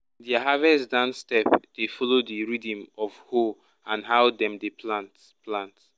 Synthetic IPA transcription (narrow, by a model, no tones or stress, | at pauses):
diaɦavɛsdãnstɛpd̥efɔlodiɹidĩmɔvhu | ãnɦaʊdɛ̃mdeplant | plãnt